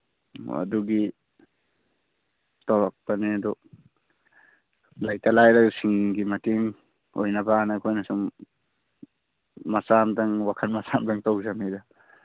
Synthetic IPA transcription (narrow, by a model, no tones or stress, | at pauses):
a̰duɡi | tawak̚panedɔ | lajtalajɾaksiŋɡimatiŋ | o̰jnabaːnakʰojnasum | masamdaŋwakʰanmasamdaŋtɔwzamida